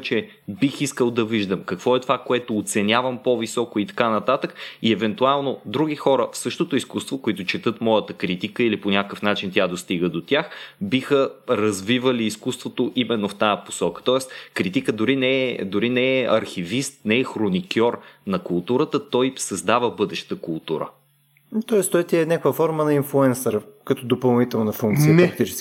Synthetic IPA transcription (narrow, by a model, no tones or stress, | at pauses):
t͡ʃɛ | bixiskəlˠd̪ɐviʒd̪əmkɐkvɔɛt̪ovakoɛt̪oːt̪sɛnʲavəmpovisɔkoit̪ɐ̥kanɐt̪at̪əkiɛvɛnt̪ualˠnod̪ɾuɡ̟ixɔɾəfsɤʃt̪ot̪oiskust̪vokoit̪ʊt͡ʃɛt̪ɤt̪mɔjət̪əkɾit̪ikəiliponʲakəfnat͡ʃint̪ʲjad̪ost̪iɡəd̪ot̪ʲjaxbixəɾɐzvivəliːskust̪vot̪oʔimɛnːoft̪ajəpo̥sɔkə̥t̪ɔɛst̪kɾit̪ikəd̪ʊɾinɛɛd̪ʊɾinɛːɐɾxivist̪nɛɛxɾonikʲɔɾnɐkulˠt̪uɾət̪ət̪ɔjsɐzd̪avəbɤd̪ɛʃt̪əkʊlˠt̪uɾə̰ | t̪ɔɛst̪ɔɛt̪iɛnʲakəkvəfɔɾmənɐinflˠuɛnsəɾkɐt̪ɔd̪opɐlˠnit̪ɛlˠnɐfuŋkt̪sinɛɾk̚t̪it͡ʃɛ̥s